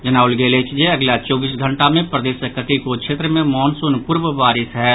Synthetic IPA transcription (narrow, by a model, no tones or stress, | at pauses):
d͡ʒɐnaːʊlɡeːlet͡ʃd͡ʒeɐɡlat͡ʃɔːbiːsɡʱɐ̃ɳʈamẽpɾəd̪eːsəkət̪ikokʃeːt̪ɾəmẽmɔːnsʊnpʊɾʋəʋaːɾɪsɦɛː